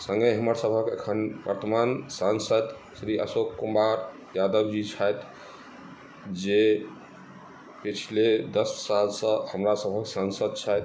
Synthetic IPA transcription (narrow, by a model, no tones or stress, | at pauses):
sə̃ŋɡəjɦəməɾsəbʱəkḛkʰənbəɾt̪əmansansəd̪ | sɾiʔə̰sokːumaɾ | jad̪əbd͡ʒit͡ʃʰajt̪ | d͡ʒe | pit͡ʃʰiled̪əssalsə̃həmɾasəbʱəksansəd̪̚t͡ʃʰajt̪